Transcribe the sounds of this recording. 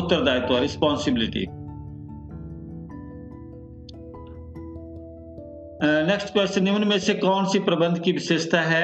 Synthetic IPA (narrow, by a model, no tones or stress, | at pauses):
ʊt̪ːəɾd̪aːjt̪õaɾɪspɔːnsɪbɪlɪʈḭː | nɛksʈkʋest͡ʃənɪənmẽsekɔːnsipɾəbə̃nd̪ʱkiʋɪʃeːʃt̪ʰaɦɛː